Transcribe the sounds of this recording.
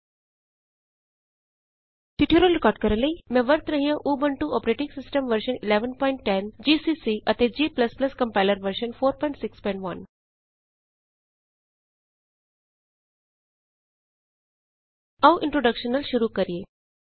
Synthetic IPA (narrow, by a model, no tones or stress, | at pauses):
t̪iʈʰijeɾoɾɪkɔːɾɖ̚kəɾələimɛ̃ʋəɾt̪ɾəɦĩjãʔoːbəɳʈuɔpɾeʈĩŋɡsɪsʈəmʋəɾʃənɪleʋənpɔɪɳʈʈend͡ʑiːsiːsiət̪ed͡ʑiːpləsplɐskɐmpaɪləɾʋəɾʃənfoːɾpɔːĩɳʈsɪkspɔɪɳʈʋɐn | ɐʋʔɪ̃ɳʈɾoɖəkʃənəlʃuɾukəɾije